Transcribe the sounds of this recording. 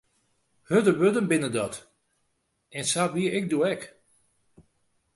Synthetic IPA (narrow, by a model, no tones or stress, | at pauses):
hødəʋødənbɪnədɔt | ɛnsatʋiəɪk̚duɛk